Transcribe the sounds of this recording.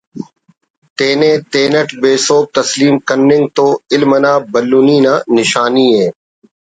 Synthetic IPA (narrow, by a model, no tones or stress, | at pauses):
t̪eːnẽt̪eːnəʈbeːsoːk̚t̪ɐsliːmkɐɾnɪ̃ŋɡ̚t̪oːɪlmənãːbɐlːuːniːnaːnɪʃaːnieː